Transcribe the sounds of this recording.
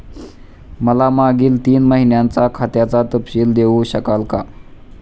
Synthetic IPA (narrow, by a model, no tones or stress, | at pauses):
məlamaɡiːlt̪iːnməɦinjant͡sakʰat̪jat͡sat̪əpɕiːld̪eʋuɕəkalka